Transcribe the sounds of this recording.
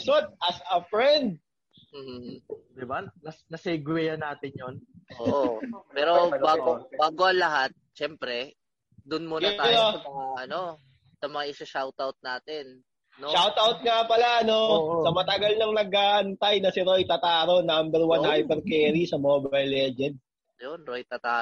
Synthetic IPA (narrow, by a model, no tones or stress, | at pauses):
sot̪̚ʔɐsɐfɹɛnd̪̚ | m̩ːh̩d̪ɪbanɐnɐsɛɡwɛjɐnaːt̪ɪnjonoːʔpɛːɾobaːɡobaːɡoʔɐŋlɐɦat̪̚ʃɛmpɾɛ | d̪ʊnmonɐanoɐɐaʔɐno | sɐmɐŋaʔɪsaʃawt̪awt̪̚naːt̪ɛn | noʃawt̪ʔawt̪̚ŋapɐlaʔɐno̞sɐmɐt̪ɐɡalnɐŋnɐɡ̚aːʔɐnt̪ɐjnɐsɪɾojt̪ɐt̪aːɾonambɛɾwanhajpɛɾkɛːɾisɐmoːbɐjlːɛd͡ʒɛnd̪̚ | jonɾojt̪ɐt̪aː